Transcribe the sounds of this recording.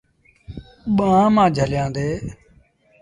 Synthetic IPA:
ɓãːmãːd͡ʒʱəljãːd̪eː

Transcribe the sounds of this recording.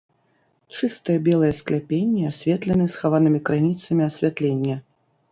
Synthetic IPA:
t͡ʂɨst̪ɨjɐbʲɛlˠɐjɐsklʲapʲenʲːɛasʲvʲɛt̪lʲɛnɨsxavanɨmʲikɾanʲit̪sɐmʲiɐsʲvʲat̪lʲenʲːɐ

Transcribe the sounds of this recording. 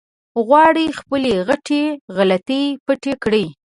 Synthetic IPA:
ɣwɑɽixpəleɣaʈeɣalat̪ipəʈekɽəj

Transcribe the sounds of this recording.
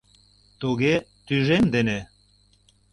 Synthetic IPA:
t̪uɣet̪yʒemd̪ene

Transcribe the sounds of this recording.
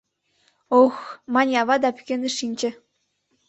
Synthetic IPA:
oxmɑnʲɑβɑd̪ɑpy̥kʲeneʃinʲt͡ɕĕ

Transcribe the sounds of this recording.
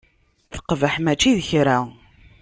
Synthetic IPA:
θə̥qːvəħmæt͡ʃːiðçɾa

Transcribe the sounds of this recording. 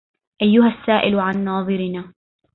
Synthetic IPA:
ʔajːʊɦasːaːʔɪlʕanːɑːðˤɨɾɪnaː

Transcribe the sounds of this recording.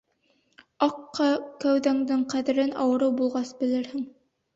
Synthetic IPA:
ɑqːɑkæwðæŋd̪ɘɴqæðɘ̆ɾɘnɑ̰wɤ̆ɾɤwbulˠʁɑsbɘ̆lɘɾhɘŋ

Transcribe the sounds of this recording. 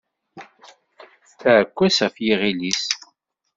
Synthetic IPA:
θæʕəkʷːæsæfjiʁilis

